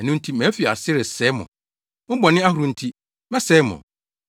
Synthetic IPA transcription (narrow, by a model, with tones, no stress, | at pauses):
ɛ˨nũ˦n˦tʰi˦mæ̃˨˦fi˨a̰˨sɪ˦ɾɪ˨sɛ˦mʊ̰̃˨ | mʊ̃˦bɔ˨nɪ̃˦a˦hu˨ɾũ˨n̩˦tʰi˦ | mɛ˦sɛ˦mʊ̰̃˨